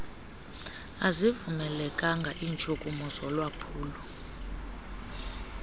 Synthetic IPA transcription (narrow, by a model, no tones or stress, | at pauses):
azivumɛlɛkʼaŋɡʱaʔint͡ʃʼukʼumuzɔlwapʰuːlu